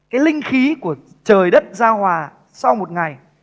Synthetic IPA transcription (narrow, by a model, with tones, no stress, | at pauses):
kaː˨˦jlï˧ŋ̟xi˨˦ku˧˩ə | t͡ɕəː˨˩jɗə˦˥t̚zaː˧hwaː˨˩ | sa˧wmo˨˩t̚ŋa˨˩j